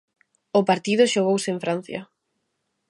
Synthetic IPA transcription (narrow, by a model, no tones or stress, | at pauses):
ʊpaɾt̪iðʊʃoɣowseeɱfɾan̟θjɐ̰